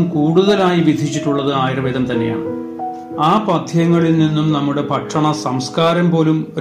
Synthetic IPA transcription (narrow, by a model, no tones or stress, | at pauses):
mkuːɽuðɐlaːjiʋid̪ʱit͡ɕːiʈːuɭːɐðɨaːjiɾɐʋeːðɐmt̪ɐnːeja̰ːɳɨ | aːpɐd̪ʱʰjɐŋːɐɭilninːumnɐmːuɽe̞pɐʈːɐɳɐsɐmskaːɾɐmpo̞ːlum